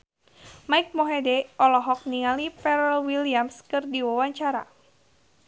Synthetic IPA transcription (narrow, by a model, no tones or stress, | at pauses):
majk̚mɔɦedɛɔlɔɦɔk̚niŋalipɛɾɛlwiliamskɨrdiwawaɲt͡ʃaɾa̰